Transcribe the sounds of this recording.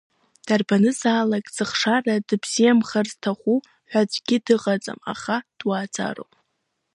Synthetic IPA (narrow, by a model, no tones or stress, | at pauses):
d̥arbanɨzaːlakʼzɨχʂaradɨbz̥ijamχarztʰaχʷu | ħʷᶣad͡ʒʷʼɡʲɪdɨʁat͡sʼa̰ma̰χad̥waːt͡sʰa̰ro̰wp